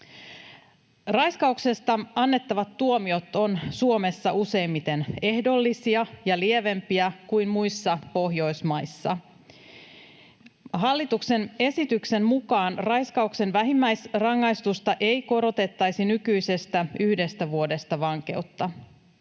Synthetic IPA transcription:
rɑjskɑukse̞st̪ɑɑnːe̞t̪ːɑʋɑt̪ːuomio̞t̪o̞nsuo̞me̞sːɑuse̞jmːit̪e̞ne̞hdo̞lːisiɑjɑlieʋe̞mpiækuimmuisːɑpo̞ɦjo̞jsmɑjsːɑ̰ | ɦɑlːit̪ukse̞ne̞sit̪ykse̞mmukɑːnrɑjskɑukse̞nʋæɦimːæjsrɑŋːɑist̪ust̪ɑʔe̞jko̞ɾo̞t̪e̞t̪ːɑjsinykyjse̞st̪æyhde̞st̪æʋuo̞de̞st̪ɑʋɑŋke̞̰ut̪ːɑ

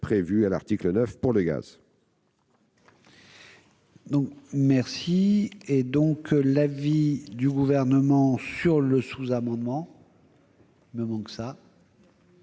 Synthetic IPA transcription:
pχevyala̰ʁt̪iklənœfpuʁləɡa̰z | d̪ɔ̃kmɛʁsied̪ɔ̃klavid̪yɡuvɛʁnəmɑ̃syʁləsuzamɑ̃d̪mɑ̃ | iməmɑ̃ksa

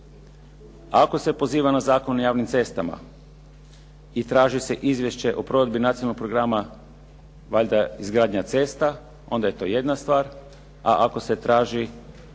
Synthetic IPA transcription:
ako̞se̞po̞ziːʋanazaːko̞nojaːʋnimt̪se̞st̪ama̰ | it̪ɾaːʒise̞ʔizʋje̞ʃt͡ɕe̞ʔopɾoʋe̞d̪̚binat̪ionalːokpɾoɡɾama | ʋaʎʲd̪aizɡɾaːd̪ɲat̪se̞ːst̪a | o̞̰nd̪aje̞t̪o̞ːje̞d̪nast̪ʋaːɾ | a̰ʔako̞se̞t̪ɾaːʒi

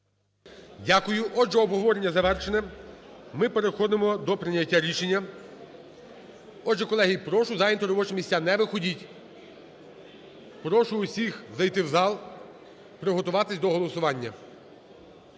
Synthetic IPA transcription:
dʲakʊjʊʔɔd͡ʒɛɔbɦɔʋɔɾenʲːɐzɐʋɛrʃenɛ | mɪpeɾexɔd̪emɔd̪ɔpɾɪnʲːɐtʲːaɾʲiʃenʲːɐ | ɔd͡ʒɛkɔlˠɛɦʲijpɾɔʃʊzɑjint̪ɔɾɔbɔt͡ʃemʲisʲanɛʋɪxɔdʲitʲ | pɾɔʃʊːsʲixzɐjt̪ɪwzɑlˠ | pɾɪɦɔt̪ʊʋɑt̪ɪsʲd̪ɔɦɔlˠɔsʊʋɑnʲːɐ

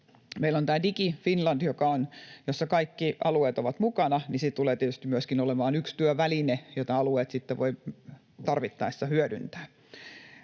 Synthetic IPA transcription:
meilont̪æːdikifinlɑnd̥jokɑonjosːɑkɑikːiɑ̰lueːt̪oʋɑt̪mukɑnɑnisit̪t̪uleːt̪iet̪yst̪imyøskinolemɑːnykst̪yøʋælinejot̪ɑɑlueːt̪sit̪ːeʋoi | t̪ɑrʋit̪ːɑist̪ɑhyødy̰nt̪æ̥ː

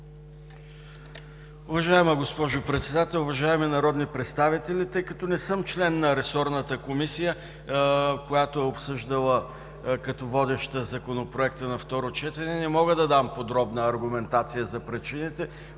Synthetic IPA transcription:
ʊvɐʒaɛməɡospɔʒʊpɾɛt̪sɛd̪at̪ɛlˠʊvɐʒaɛminɐɾɔd̪nipɾɛt̪st̪avit̪ɛlʲit̪ɤjkɐt̪ɔnɛsɤmt͡ʃlɛnːɐɾɛsɔɾnət̪əkomisijə | kojat̪oɛopsɤʒd̪əlˠə | kɐt̪ɔvɔd̪ɛʃt̪əzɐkonopɾoɛkt̪ənɐft̪ɔɾot͡ʃɛt̪ɛnɛnɛmɔɡəd̪ɐd̪ampod̪ɾɔbnəːɾɡʊmɛnt̪at̪sijəzɐpɾɛt͡ʃinit̪ɛ

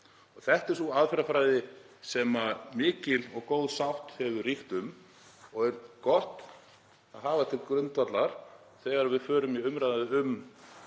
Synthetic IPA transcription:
ɔɣθɛht̪ɛɾ̥sθuaðfɪɾafɾajðɪ | sɛmamɪːcɪlɔɣkowðsawht̪hɛvʏriht̪ʏm | ɔɣɛɾkɔht̪ | aðɦaːvat̪ʰɪlkɾʏnt̪vat̪laɾ̥ | θɛɣaɾvɪðfœːɾʏmiʏmɾajðaðɪʏm

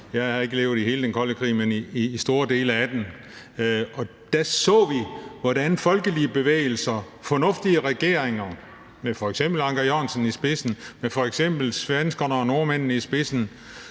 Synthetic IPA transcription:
jɑ̈ɪhɑ̈e̝ɡ̥əle̝ːʊðˠiɦe̝ːləd̥enkʰɒ̽ləkʰʁḭːmeniːsd̥o̝ːɐd̥e̝̰ːləæd̥en | ɒ̽ | d̥æsɔ̰̽ːʋiʋɒdænfɒ̽lɡ̥əliəb̥e̝ʋḛːɪl̩sɐ | fɒ̽nɔ̽fd̥iəʁɛɡ̥e̝̰ɐ̰eŋɐ | mefɒ̽eɡ̥sem̰b̥l̩ɑ̈ŋɡ̥æjɒnsənisb̥e̝sn̩mefɒ̽eɡ̥sem̰b̥l̩sʋænsɡ̥ɒnɐno̝ɐmæn̰nəisb̥e̝sn̩

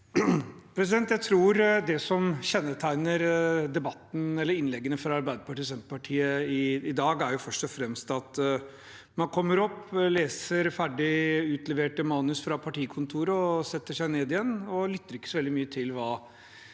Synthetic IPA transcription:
pʰɾɛs̬ɪd̪ɛnt̪jæɪt̪ʰɾuːɾd̪ɛsɔmçɛnːət̪ʰæɪnəɾd̪ɛbɑt̪ːn̩ɛlːəɾɪnlɛɡːənəfɾɑɑɾbæɪd̪əpɑʈiːs̬ɛnt̪ə̥pʰɑʈʰiːəɪɪd̪ɑːɡæɾjʊfœʂʈɔfɾɛmst̪ɑt̪ | mɑnkʰɔmːəɾɔpːleːsəɾfæɖɪʉːt̪lɛʋeːʈəmɑːnʉsfɾɑpʰɑʈiːkʰʊnt̪ʰuːɾəɔsɛt̪ːəʂæɪneːd̪ɪjɛnːɔlʏt̪ːəɾɪkːəsɔʋɛld̪ɪmyːət̪ʰɪlʋɑː

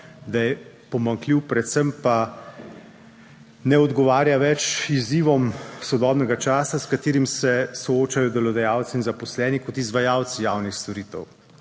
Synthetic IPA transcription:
d̪ajɛ | pɔmaŋkliwpɾɛt̪sɛmpa | nɛɔd̪ɡɔʋaːɾjaʋɛt͡ʃiziːʋɔmsɔd̪ɔːbnɛɡat͡ʃaːsaskat̪eːɾimsɛsooːt͡ʃajɔd̪ɛlɔd̪ɛjaːwt̪siinzapɔslɛːnikɔt̪izʋajawt̪sijaːwnixst̪ɔɾiːt̪ɛw

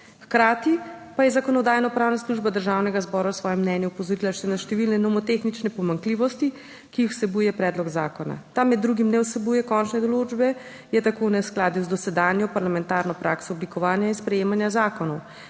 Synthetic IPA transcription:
xkɾaːt̪ipajɛzakɔnɔd̪aːjnɔpɾaːwnasluʒbad̪əɾʒawnɛɡazbɔɾawsʋɔːjɛmːnɛnjuupɔzɔɾilaʃɛnaʃt̪ɛʋilnɛnɔmɔt̪exnit͡ʃnɛpɔmaŋkliːʋɔst̪i | kiixw̥sɛbujɛpɾɛːd̪lɔɡzaːkɔna̰t̪amɛd̪ːɾuɡimnɛwsɛbujɛkɔnt͡ʃnɛd̪ɔlod͡ʒbɛ | jɛt̪akoːnɛsklaːd̪izd̪ɔsɛd̪aːnjɔpaɾlamɛnt̪aːɾnɔpɾʔaksɔɔblikɔʋaːnjainspɾɛjeːmanjazaːkɔnɔw

